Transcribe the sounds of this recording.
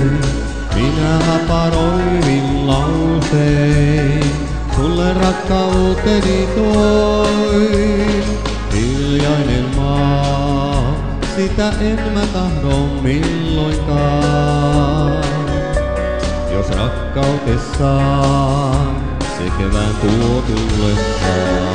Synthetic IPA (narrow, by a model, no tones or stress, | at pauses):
minæhɑpɑɾoiimillɑwse | t̪ulːerɑkːɑut̪enit̪o | i | hilːjɑinemmɑː | sit̪æʔemmæt̪ɑhdommilːoiŋkɑː | n | jo̰srɑ̰kːɑut̪esːɑː | n | sḛkeʋænt̪uot̪ulːesːɑ̰ː